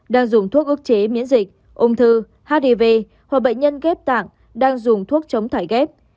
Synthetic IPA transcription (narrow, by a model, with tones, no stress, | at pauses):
ɗaː˧ŋzʊ˨˩ŋ͡mt̪ʰu˦˥ək̚ʔɨ˦˥k̚t͡ɕe˨˦mḭ˧˥ənzï˨˩k̟̚ | ʔʊ˧ŋ͡mt̪ʰɨ˧ | haː˧˥ɗe˧ve˧ | hwa˨˩k̚ɓə̰˧˨jɲ̟ɲə˧nkɛ˦˥p̚t̪a̰ː˧˨ŋ | ɗaː˧ŋzʊ˨˩ŋ͡mt̪ʰu˦˥ək̚t͡ɕə˨˦wŋ͡mt̪ʰaː˧˩jɣɛ˦˥p̚